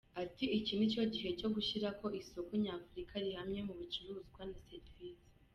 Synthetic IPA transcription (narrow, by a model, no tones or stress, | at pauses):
atiicinico̞ɟiɦe̞co̞ɡuʃiɾako̞ʔiso̞koɲaːfuɾikʰaɾihamɲe̞muβit͡ʃuɾuːzɡwanasetvizi̥